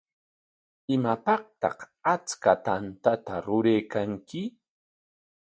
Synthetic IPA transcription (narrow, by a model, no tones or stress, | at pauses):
ɪmapɑqt̪ɑ̰χ | at͡skat̪ant̪at̪aɾʊɾejkaŋkɪ